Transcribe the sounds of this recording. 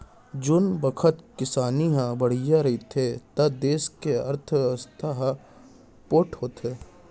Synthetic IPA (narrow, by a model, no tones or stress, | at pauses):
d͡ʒʊnbɐkʰət̪kɪsaːniɦãbɐɽ̤ijaɾɐɦit̪ʰet̪ɐd̪eːskeɐ̰ɾt̪ʰəst̪ʰaɦ | poːʈʰɦoːt̪eː